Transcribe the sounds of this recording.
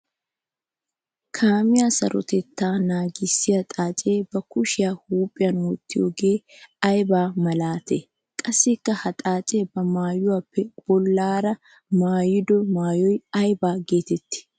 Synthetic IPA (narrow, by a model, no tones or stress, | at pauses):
kʰaːmɪjaːsɐ̰ɾʔɔ̰t̪ɛt̪ːaːnaːɡɪsːɪjɐt̪ʼaːt͡ʃʼe̞ːbɐkʊʃɪjaːhuːpʼːɪjɐnoːt̪ːɪjo̰ːɡe̞ː | ɐjbaːmɐlaːt̪eː | kʼɐsːɪkːɐhɐt̪ʼaːt͡ʃʼe̞ːbɐmaːjʊwaːpːɛb̥ɔlːaːɾɐ | maːjɪd̪ɔmaːjɔjɐjbaːɡe̞ːt̪ɛt̪ːɪ̥